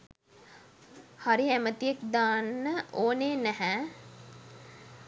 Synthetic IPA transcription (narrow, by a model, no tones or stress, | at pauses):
haɾiæmət̪iekd̪aːnːəoːneːnæɦæ